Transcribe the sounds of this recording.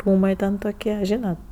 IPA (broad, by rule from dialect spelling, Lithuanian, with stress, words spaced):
ˈruːmɐɪ tʲɛn toːˈkʲiɛ ˈʒʲiːnɐt